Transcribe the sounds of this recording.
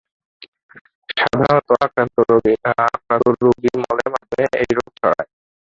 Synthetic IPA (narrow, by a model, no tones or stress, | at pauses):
ʃad̪ʱaɾot̪oakɾant̪oɾobiaakɾaoɾobimɔlemadeejɾoɡ̚t͡ɕʰɔɽa̰e